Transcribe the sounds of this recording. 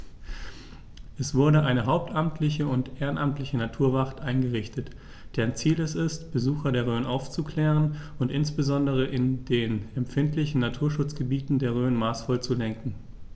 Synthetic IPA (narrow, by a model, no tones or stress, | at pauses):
ʔɛsv̥ʊɐdəʔaɪnəɦaʊp̚tʔamtʰlɪçəʊntʔeːʁənʔamtlɪçənatʰuːɐvaχtʔaɪnɡəʁɪçtət | d̥eːʁnt͡siːlɛstɪstb̥əzuːxɐdeːɐʁøːənʔaʊft͡sukl̥ɛːʁənʊntʔɪnsb̥əzɔndəʁ̞əʔɪndeːnɛmfɪntlɪçn̩natʰuːɐʃʊt͡sɡ̥əbiːtn̩deːɐʁ̞øːənmaːsfɔlt͡sulɛŋkŋ̩